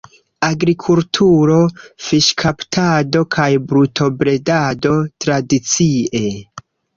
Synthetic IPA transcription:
aɡɾikʰultʰuɾo̞fiʃkʰaptʰado̞kʰajbɾutʰo̞bɾe̞dado̞tɾadit͡sie̞

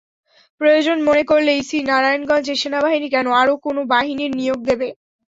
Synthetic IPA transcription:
pɾojod͡ʑonmonekoɾleisinaɾajonɡãnd͡ʑeʃenabaɦinik̬ɛnoaɾokonobaɦiniɾnijoɡ̚d̪ebe

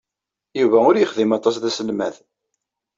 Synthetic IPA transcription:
juvæʊɾjəχðimɑt̪ˤɑs̬ðæsəlmæ̰ð

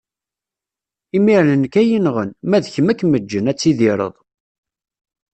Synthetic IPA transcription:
imiɾnənkæjinʁənmæðçəmækːməd͡ʒːənæt͡sːiðiɾˤə̰ðˤ

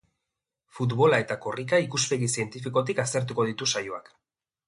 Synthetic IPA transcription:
fut̪βo̞lae̞t̪ako̞rikaikuspe̞ɣisie̞nt̪ifikot̪̬ikast̪e̞ɾt̪uko̞ð̞it̪usajoa̰k

